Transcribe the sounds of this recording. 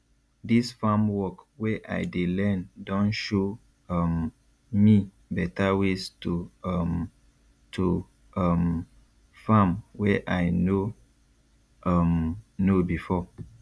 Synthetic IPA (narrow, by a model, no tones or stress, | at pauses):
disfamwɔkwɛʔa̰ɪdelɛ̃ndɔ̃nʃo | m | mi | bɛtʰawestum | tʰu | m | fãmwɛʔajno | mnobifɔ